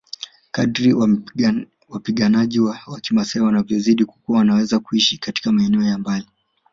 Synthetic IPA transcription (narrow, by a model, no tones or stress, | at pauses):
kaɗɾiw | wapiɠanaʄiwawakimasaiwanavjɔziɗiku̥kuawanawɛzakuiʃikati̥kamaɛnɛɔjambali